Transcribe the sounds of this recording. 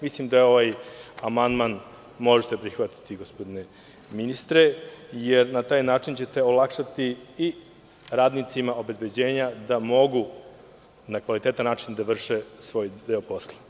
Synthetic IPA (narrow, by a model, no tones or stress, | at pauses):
mislimd̪ajeo̞ʋajamand̪man | mo̞ʒet̪epɾixʋat̪i̥t̪iɡospo̞d̪ine | minist̪ɾe̞jeɾnat̪aːjnaːt͡ʃint͡ɕe̞t̪e̞olˠakʃat̪ii | ɾaːd̪nit̪simao̞be̞zbe̞d͡ʑe̞ːɲad̪amo̞ɡu | nakʋalit̪eːt̪anːaːt͡ʃind̪aʋr̩ʃesʋo̞ːjd̪eopo̞slˠḁ